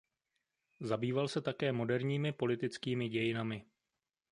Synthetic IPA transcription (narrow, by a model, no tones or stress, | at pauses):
zabiːvalsɛt̪akɛːmo̞dɛɾɲiːmɪpo̞lɪt̪ɪt͡skiːmɪɟɛjɪnamɪ